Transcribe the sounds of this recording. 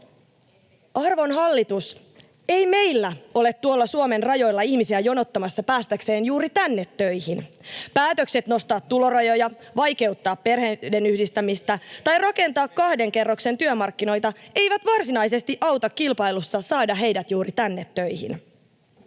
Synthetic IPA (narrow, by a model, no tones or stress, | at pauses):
ɑrʋo̞nɦɑlːit̪us | e̞jme̞ijlːæo̞le̞t̪ːuolːɑsuome̞nrɑjo̞jlːɑiçmisiæjo̞no̞t̪ːɑmɑsːɑpæːst̪ækse̞ːnjuːɾit̪ænːe̞t̪ːøjhinpæːt̪økse̞t̪no̞st̪ɑːt̪ːulo̞rɑjo̞jɑʋɑjke̞wt̪ːɑːppe̞rhede̞nyhdist̪æmist̪æt̪ɑjrɑke̞nt̪ɑːkkːɑhde̞ŋke̞rːokse̞nt̪yømɑrkːino̞jt̪ɑe̞jʋæt̪ʋɑrsinɑjse̞st̪iʔɑwt̪ɑkkilpɑjlusːɑsɑːdɑɦe̞jdæt̪juːɾit̪ænːet̪ːø̞jhḭn